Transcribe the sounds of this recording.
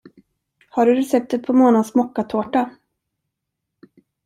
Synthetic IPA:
haɖɵɾɛsɛp̚t̪ət̪̚pʰɔmoːnad̪smɔkːat̪ʰoːʈa

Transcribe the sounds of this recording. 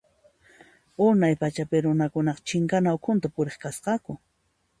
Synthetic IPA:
ʊnajpat͡ʃapɪɾʊnakʊnɑqɑt͡ʃɪŋkanaokʰʊnt̪apʊɾeχkasqɑkʊ

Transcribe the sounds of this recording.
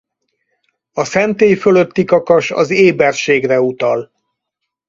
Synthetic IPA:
ɒsɛnt̪eːjføløt̪ːikɒkɒʃɒ̰zeːbɛrʃeːɡrɛut̪ɒl

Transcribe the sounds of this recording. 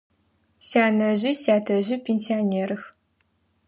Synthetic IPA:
saːnɐʑɪsaːtʰɐʑɪpʲʰensioneːɾɨx

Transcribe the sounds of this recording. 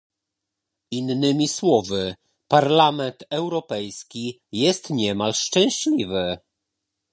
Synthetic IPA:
inːɘmʲiswɔvɘ | paɾlamɛnt̪ɛwɾɔpɛjskʲi | jɛst̪ɲɛmalʂt͡ʂɛ̃w̃ɕlʲivɘ

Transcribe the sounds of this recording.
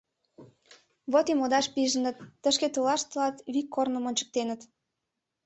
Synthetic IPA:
βot̪imod̪ɑʃpiʒənə̆t̪ːəʃket̪əlɑʃt̪əlɑt̪βikːornə̆monʲt͡ɕə̥k̚t̪enət̪

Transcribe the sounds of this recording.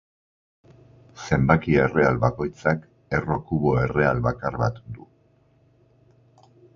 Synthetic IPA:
se̞mbakie̞re̞alβako̞jt͡sak | e̞ro̞kuβo̞e̞re̞alβakaɾβa̰t̪d̪u

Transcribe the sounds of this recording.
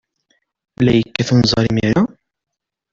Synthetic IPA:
lːæjəkːæθənzˤɑɾimiɾa

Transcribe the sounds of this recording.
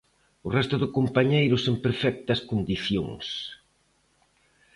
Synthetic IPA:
ʊrɛst̪ʊðʊkompaɲejɾʊseŋpeɾfɛk̚t̪ɐskond̪iθjo̰ŋs

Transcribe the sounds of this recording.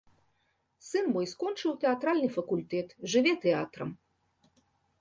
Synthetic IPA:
sɨnmɔjskɔnt͡ʂɨwt̪ɛat̪ɾalʲnɨfɐkulʲt̪ɛt̪ʐɨvʲɛt̪ɛa̰t̪ɾɐ̰m

